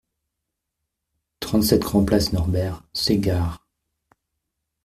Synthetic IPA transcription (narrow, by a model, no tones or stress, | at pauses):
t̪χɑ̃t̪sɛt̪ɡ̥ʁɑ̃plasnɔʁbɛʁseɡaʁ